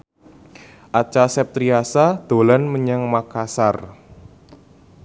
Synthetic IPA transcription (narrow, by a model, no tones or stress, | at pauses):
ʔat͡ʃasɛp̚t̪ɾiasad̪̥o̤lanməɲaŋmakasar